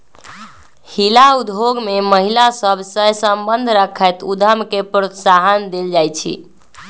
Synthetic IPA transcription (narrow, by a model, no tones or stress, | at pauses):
hilaud̪ɦoɡmeməɦilasəbʱsəjsəmbənd̪ʱɾəkʰət̪ud̪ʱəmkepɾot̪saɦənd̪eld͡ʒajt͡ʃʰḭ